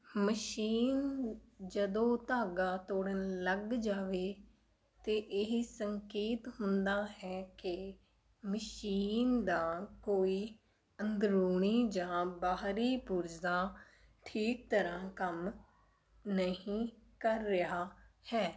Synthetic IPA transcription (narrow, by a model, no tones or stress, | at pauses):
məʃiːnd͡ʒəd̪õːt̪aːɡaːt̪oːɽənləɡd͡ʒaːʋeː | t̪eːʔɪɦisəŋkeːt̪ɦʊnd̪aːɦɛːkɪ | məʃiːnd̪aːkoːiː | ənd̪ɾuːɳiːd͡ʒãːbaːɦɾiːpuɾzãː | ʈʰiːk̚t̪əɾãːkəm | nəɦĩːkəɾːɪaːhɛː